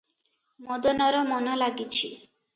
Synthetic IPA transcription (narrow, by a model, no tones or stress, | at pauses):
mɔd̪ɔnɔɾɔmɔnɔlaɡit͡ʃʰi